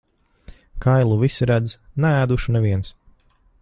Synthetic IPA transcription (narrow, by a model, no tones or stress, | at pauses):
kʰajlˠuvisiɾæd̪znææːd̪uʃunɛviɛns